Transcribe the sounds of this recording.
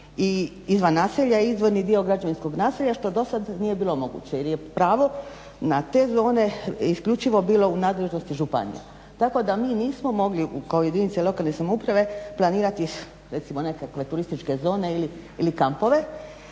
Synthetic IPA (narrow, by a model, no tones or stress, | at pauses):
i | izʋanːaːseʎaizʋo̞ɾnid̪io̞ɡɾad͡ʒaʋinsko̞ɡnaːseʎaʃt̪o̞d̪o̞sad̪nije̞biːlo̞mo̞ɡṵt͡ɕejeɾje̞pɾaːʋo̞ | nat̪e̞ːzo̞ːne̞iskʎut͡ʃiʋo̞biːlˠo̞unaːd̪le̞ʒnost̪iʒupa̰nḭja̰ | t̪ako̞d̪amiːniːsmo̞mo̞ɡliukaojed̪init̪selˠo̞kalne̞samoupɾaʋe̞plˠaniːɾat̪i | ɾe̞t̪simo̞ne̞kakʋe̞t̪uɾist̪it͡ʃke̞zo̞ːne̞iliilikampo̞ʋe̞